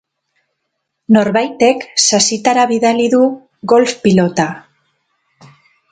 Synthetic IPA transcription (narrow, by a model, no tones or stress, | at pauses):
no̞ɾβajt̪e̞ksasit̪aɾaβiðaliðu | ɣo̞lfpilo̞t̪a